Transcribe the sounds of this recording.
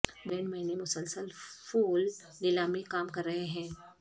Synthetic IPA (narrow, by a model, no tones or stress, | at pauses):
bɛːɳmɐɦinemʊsəlsəlfuːlː | ɪlaːmikaːmkɐɾːɐɦeɦɛ̃ː